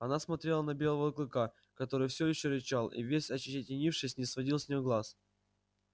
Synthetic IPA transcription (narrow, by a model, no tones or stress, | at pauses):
ɐnasmɐt̪ɾʲe̞lˠənɐbʲe̞lˠəvəɐklˠɨka | kɐt̪o̞ɾɨjfsʲojɪɕːoɾʲɪt͡ɕalˠḭvʲesʲɐt͡ɕːɪɪtʲɪnʲifʂɨsʲnʲɪsvɐdʲilˠsʲnʲɪjoɡlˠas